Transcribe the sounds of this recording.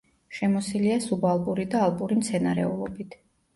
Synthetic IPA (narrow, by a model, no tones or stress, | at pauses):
ʃɛmɔsiliasubalˠpʼuɾid̪aːlˠpʼuɾimt̪sʰɛnaɾɛ̰ulˠɔbit̪ʰ